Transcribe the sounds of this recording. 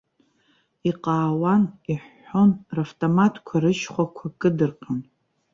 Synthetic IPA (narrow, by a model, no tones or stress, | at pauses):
iqʼaːwaniħːonraftʼomatʰkʷʰaɾɨʃχʷakʷʰakʼɨdɨrqʰʼan